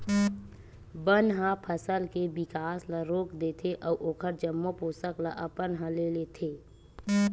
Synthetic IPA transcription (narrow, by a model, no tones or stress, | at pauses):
bənɦãpʰəsəlkebɪkaːsləɾoːkd̪et̪ʰeʔɔːʔoːkʰəɾd͡ʒəmːoposəkla̰ʔɐpənɦə̃leːlet̪ʰeː